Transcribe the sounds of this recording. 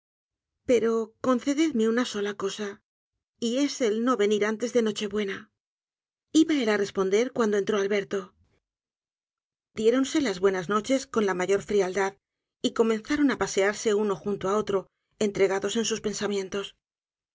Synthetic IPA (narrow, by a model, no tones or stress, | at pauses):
pe̞ɾo̞ko̞n̟θe̞ðeðmeunaso̞lako̞sa | ie̞se̞lno̞βe̞niɾant̪e̞zðe̞no̞t͡ʃe̞βwe̞na | iβaelare̞spo̞nd̪e̞ɾkwand̪o̞e̞nt̪ɾo̞alβe̞ɾt̪o̞ | d̪je̞ɾo̞nse̞lazβwe̞nazno̞t͡ʃe̞sko̞nlamaʝo̞ɾfɾiald̪að | iko̞menθaɾo̞napase̞aɾse̞uno̞xunt̪oao̞t̪ɾo̞ | e̞nt̪ɾe̞ɣaðo̞se̞nsuspe̞nsamjẽ̞nt̪o̞s